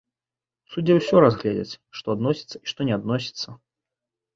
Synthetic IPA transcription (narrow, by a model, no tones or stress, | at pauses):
sud͡zʲɛwsʲɔɾazɣlʲɛd͡zʲɛ̰t͡sʲʂt̪ɔad̪nɔsʲi̥t̪sːɐiʂt̪ɔnʲɛad̪nɔsʲi̥t̪sːɐ